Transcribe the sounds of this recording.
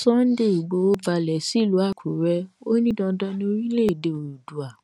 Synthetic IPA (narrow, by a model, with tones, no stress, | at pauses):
sɔ˦n̩˦de˦i˨ɡ͡bo˧˦o˦ba˧lɛ˨si˦˨lu˨˦a˦˨kʰu˨ɾɛ˧˦o˦nĩ˦dɔ̃˧dɔ̃˧˦nĩ˧o˧˦ɾi˦le˦i˨de˧o˨ɾu˨du˨a˨